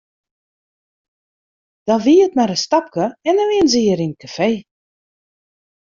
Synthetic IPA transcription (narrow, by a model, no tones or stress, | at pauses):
d̥ɔnʋiətmaɾəstɑp̚kəɛndɔniənziəɾinkʰafeː